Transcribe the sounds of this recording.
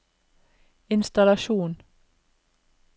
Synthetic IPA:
ɪnst̪ɑlɑʃuːn

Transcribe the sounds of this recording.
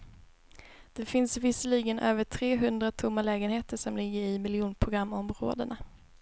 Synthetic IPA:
d̪̥ɛfɪnsvɪsəliɡənʔøːvəʈʰɾeːɦɵnd̪ɾat̪ʰʊmːalɛːɡənheːt̪əʂɔmlɪɡːəɾɪmɪljɪuːnpʰɾʊɡɾamːɔmɾo̰ːd̪əna

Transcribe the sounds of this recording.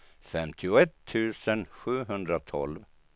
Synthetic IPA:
fɛmt̪ʰɪʊɛt̪ʰːʉ̟ːsənɧʉ̟ːɦɵnd̪ɾat̪ʰɔ̰lv

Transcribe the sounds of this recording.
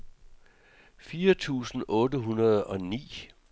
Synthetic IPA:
fiːɐt͡sʰṵːsn̩ʔɔ̽ːdəɦunɐð̞̩ˠɒ̽nḭː

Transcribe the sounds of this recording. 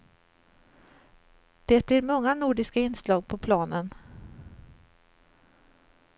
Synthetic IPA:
d̪̥eːt̪̚blɪɾmɔŋːanuːɖɪskaɪnslɑːɡ̚pʰɔpʰlɑːnən

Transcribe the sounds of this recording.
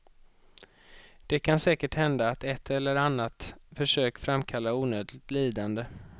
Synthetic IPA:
d̪̥ɛkʰansɛːkəʈhɛnd̪aːt̪ɛt̪ʰːɛlːəɾanːat̪fœʂøːkfɾamkʰalːauːnøːd̪lɪɡt̪liːd̪and̪ə

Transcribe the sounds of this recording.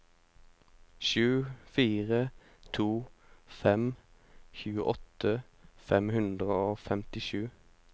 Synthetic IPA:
ʃʉːfiːʁə | t̪ʰuːfɛm | çʉːəʔɔt̪ə | fɛmhʉnd̪ʁəoːfɛmt̪ɪʃʉː

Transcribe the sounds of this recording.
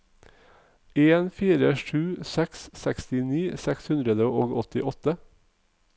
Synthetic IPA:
eːnfiːɾəʂʉːsɛkssɛkst̪ɪniːsɛkshʉnd̪ɾəd̪əʔoːɡɔt̪ɪʔɔt̪ə

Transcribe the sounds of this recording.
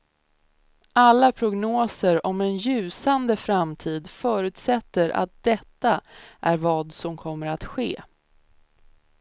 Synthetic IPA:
ʔalːapʰɾʊɡnoːsəɾɔmɛnjʉ̟ːsand̪əfɾamt̪ʰiːd̪fœːɾʉ̟ːt̪sɛt̪ːəɾʔa̰t̪̚d̪̥ɛt̪ːaʔæɾvɑːd̪sɔmkʰɔmːəɾat̪ɧḛː

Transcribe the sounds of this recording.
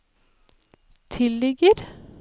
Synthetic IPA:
t̪ʰɪlːɪɡəɾ

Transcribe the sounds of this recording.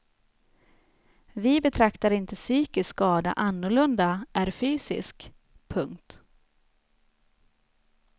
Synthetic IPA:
vɪbɛt̪ʰɾakt̪aɾɪnt̪əsyːkɪskɑːd̪a̰ʔanːʊɭɵnd̪aʔæɾfyːsɪ̰sk | pʰɵŋkt̪

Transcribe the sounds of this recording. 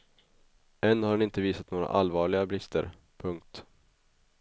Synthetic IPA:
ɛnːhaɾɛnɪnt̪əviːsat̪noːɡɾa̰ʔalvɑːɭɪɡabɾɪst̪ʰə̰ɾ | pʰɵŋk̚t̪

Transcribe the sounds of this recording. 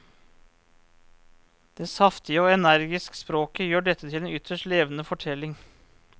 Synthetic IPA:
d̪̥ɛsɑft̪ɪəoːɛnæɾɡɪskə̥spɾoːkəjøːɖɛt̪ʰːət̪ʰɪleːnʏt̪ʰəʂʈleːʋənəfɔʈʰɛlːɪŋ

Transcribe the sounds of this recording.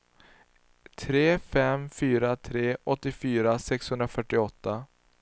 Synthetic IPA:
t̪ʰɾeːfɛmfyːɾat̪ʰɾeːʔɔt̪ːɪfyːɾasɛkshɵnd̪ɾafœʈːɪɔt̪ːa

